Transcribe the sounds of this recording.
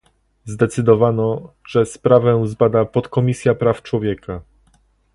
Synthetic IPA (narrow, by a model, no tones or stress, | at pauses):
zd̪ɛt̪sɘd̪ɔvanɔ | ʐɛspɾavɛzbad̪apɔt̪kɔmʲisʲjapɾaft͡ʂwɔvʲjɛka